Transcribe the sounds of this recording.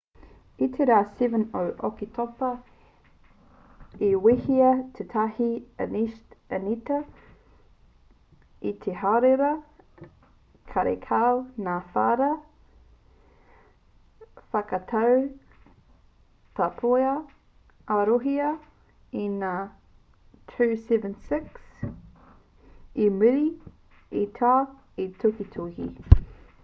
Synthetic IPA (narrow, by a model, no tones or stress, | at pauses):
itʰeɾaːsivənoʔokitʰopɐ | iwihiɐtʰetʰahiɐ̰niʃtənitɐ | it̪ʰeɦaɾeɾɐ | kʰaɾḛkʰawnaːfaːɾɐ | fɐkɐt̪ʰɐw | tɐpʰojɐ | ɐɾoɦiɐ | inaː | tʰʉsɛvə̃nsɪks | imɨɾi | itʰaː | itʰokitʰohḭ